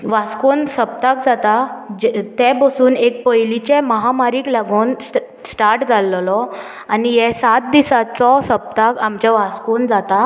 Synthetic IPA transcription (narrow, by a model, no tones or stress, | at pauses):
ʋaskonsəp̚t̪akd͡zat̪ad͡ʑt̪ɛ̃bəsuːnek̚pəjlit͡ɕɛməɦamaɾiːklaɡuːn | sʈaɾʈd͡zalːlɔ | anijɛsat̪̚d̪isat͡sɔsəp̚t̪akamt͡ɕaʋaskond͡zat̪a